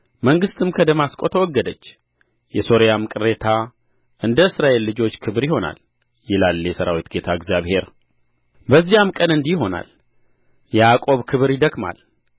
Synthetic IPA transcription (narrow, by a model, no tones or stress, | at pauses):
məŋɡɨst̪ʰɨmkʰəd̪əmaskʼot̪ʰəwɔɡːəd̪ət͡ʃː | jɛso̞ɾjamɨkʼɨɾe̞t̪ʰa | ʔɨnd̪əɨsɾaʔe̞lːɨd͡ʒo̞t͡ʃːkʰɨβɾjɪho̞na̰l | jɪlaljɛsəɾa̰wit̪ɡe̞t̪ʰaɨɡzjaβhe̞ɾ | bəzːijamkʼənɨnd̪iɦo̞na̰l | jɛakʼo̞βkʰɨβɾjɪd̪əkma̰l